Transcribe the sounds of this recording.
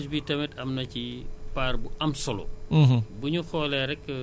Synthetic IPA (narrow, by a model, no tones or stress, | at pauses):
sbitɐmɛtɐmnɐcipaːrbuʔɐmsɔlɔ̰buɲuxɔːlɛɾɛkː